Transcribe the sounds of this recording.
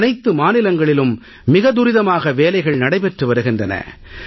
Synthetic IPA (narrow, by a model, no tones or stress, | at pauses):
nɐɪt̪ːɯmaːnɪlɐŋɡɐɭɪlɯmː | ɪɣɐd̪ʊɾɪðɐmaːɣɐʋeːlɐɪɣɐɭnɐɽɐɪpɛʈrɯʋɐɾɯɣɪndrɐnɐ̰